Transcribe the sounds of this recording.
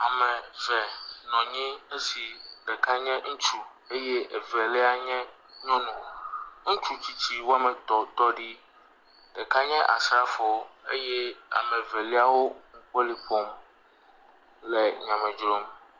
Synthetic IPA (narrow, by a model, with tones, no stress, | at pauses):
a˨mɛ̃˨vɛ˨nɔ̃˨ɲẽ˦e˦si˨ɖɛ˨ka˦ɲɛ̃˦ŋ̩˦t͡ʃu˨ | e˦jɛ˦ʔɛ˨vɛ˨lɛ˦a˦ɲɛ̃˦ | ɲɔ̃˦nũ˨ŋ̩̃˦t͡ʃu˦t͡ɕi˦t͡ɕʰi˦wo˦a˦mɛ̃˨t̪ɔ˨t̪ɔ˦ɖi˦ | ɖɛ˨ka˦ɲɛ̃˦ʔa̰˨sɾa˦fɔ˨e˦jɛ˦a̰˨mɛ̃˨vɛ˨li˦a˦wo˦ŋ̩˦k͡pe˦li˦ɸɔ˦m | lɛ˨ɲã˨mɛ̃˨d͡ʒɾo˦m